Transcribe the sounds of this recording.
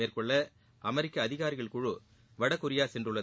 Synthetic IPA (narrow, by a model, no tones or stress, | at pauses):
eːrkɔɭːɐ | ʔɐmɛɾɪkːɐːðɪɣaːɾɪɣɐɭkʊɻɯ | ʋɐɽɐkːʊɾɪjaːsɛndrɯɭːɐ